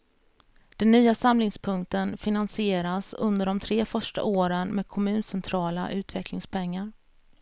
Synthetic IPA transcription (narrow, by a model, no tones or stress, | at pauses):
d̪̥ɛnːyːasamlɪŋspʰɵŋk̚t̪ənfɪnansɪeːɾasɵ̰nd̪əɖɔmt̪ʰɾeːfœʂʈa̰ʔoːɾənmeːd̪̚kʰɔmʉ̟ːnsɛnt̪ʰɾɑːla̰ʔʉ̟ːt̪vɛkʰlɪŋspʰɛŋːaɾ